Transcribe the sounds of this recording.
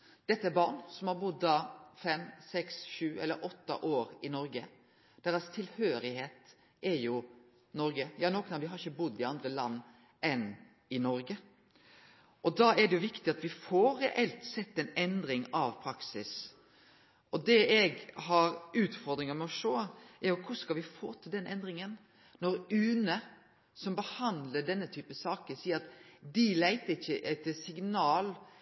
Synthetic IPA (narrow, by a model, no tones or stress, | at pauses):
d̪̥ɛt̪ːəɛbɑɾɳsɔmhɑɾbʊd̪ːɑːfɛmːsɛksʃʉːɛ̰lːə̰ɾʔɔt̪ːə̰ʔoːɾɪnɔɾɡə | d̪̥ɛɾɑst̪ʰɪlhøːɾɪheːt̪ | ʔɛɾjʊ | nɔɾɡəjɑːnɔːkənɑʋɪɦɑɾɪçːəbʊd̪ːɪɑnd̪ɾəlɑnː | ʔɛn | ɪnɔɾɡə | ʔɔd̪ɑɛɖɛjʊʋɪkt̪ɪɑt̪ʋɪfɔɾɛʔɛlt̪sɛt̪ːɛnɛnd̪ɾɪŋɑʋpʰɾɑksɪs | ʔɔd̪ɛɛɡhɑɾʉːt̪fɔɾd̪ɾɪŋəmɛɔʂoːɛɾjʊkʰʊskɑlʋɪfo̰ːt̪ʰɪld̪ɛnʔɛnd̪ɾɪŋən | nɔɾʉːnə | sɔmbəhɑnd̪ləɖɛnːət̪ʰyːpəsɑːkəsiːəɾɑt̪d̪ɪlæɪt̪əɪçːəʔɛt̪ːsɪŋnɑːl